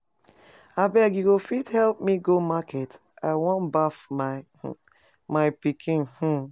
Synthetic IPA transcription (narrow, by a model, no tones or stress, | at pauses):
abɛɡiɡofidhɛlp̚miɡomakɛt | aɪwɔ̃nbafmaɪ | maɪpikʰĩnh̩